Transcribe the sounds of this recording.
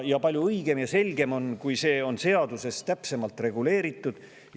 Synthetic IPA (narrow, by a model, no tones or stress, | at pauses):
jɑpɑlʲjuɯjɡe̞mjɑse̞lʲɡ̥e̞mo̞nkujse̞ːo̞nse̞ɑd̪̥use̞st̪æpse̞mɑlt̪ˑre̞ɡ̥ule̞ːɾit̪ːˑud̪̥